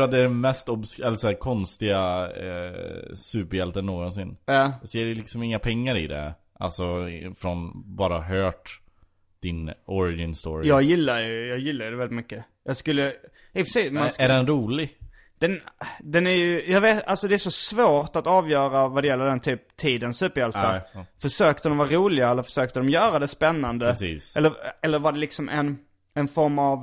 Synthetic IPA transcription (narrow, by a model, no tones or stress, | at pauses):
ɾat̪̚d̪ɛːɖɛnmɛst̪ɔbskɛlːəsɔæːɾkʰɔnst̪ɪɡa̰ | sʉ̟ːpəɾjɛlt̪ənːoːɡɔnsɪnːjɑːseːɖɛlɪksɔmɪŋːapʰɛŋːaɾɪd̪ɛ̰ | ʔa̰lsɔfɾɔnbɑːɾahɦœːʈ | d̪̥ɪnɔɾɪɡɪnst̪o̰ːɾɪjɑːɡjɪlːajɵjɑːɡjɪlːajɵd̪ɛvɛlɪt̪mʏkːə | jɑːɡskɵlːə | ɛpʰɾɛsiːsmaæɖɛnɾuːlɪɡ | d̪̥ɛnd̪ɛnæɾjɵjɑːɡveːt̪alsɔd̪ɛːʂɔsvoːɾʈ̪at̪ɑːvjœːɾavad̪ɛjɛlːəɖ̪ɛnt̪ʰyːp̚t̪ʰiːd̪ənsʉːpːəɾjɛlt̪afœʂøːkt̪əd̪ɔmvɑːɾuːlɪɡaɛlːəɾfœ̥ʂøːk̚t̪əd̪ɔmjœːɾad̪ɛspɛnːand̪əːɛlːəɾɛlːəɾvaɖɛlɪksɔmʔɛ̰n | ɛnfɔɾmav